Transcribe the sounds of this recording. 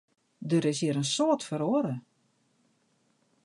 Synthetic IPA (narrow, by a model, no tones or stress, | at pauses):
dəɾɪsjiɾənsoːtfəɾoəɾə